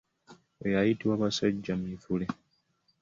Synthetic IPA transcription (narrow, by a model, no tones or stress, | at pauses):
ojajitiwaːβasaɟːamifule